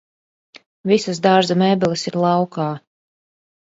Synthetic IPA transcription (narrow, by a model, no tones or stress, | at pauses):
visasd̪aɾzamɛbɛlʲˠɨsiɾlˠɑwkaː